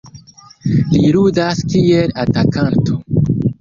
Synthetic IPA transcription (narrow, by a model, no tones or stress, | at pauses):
liɾudaskielatakanto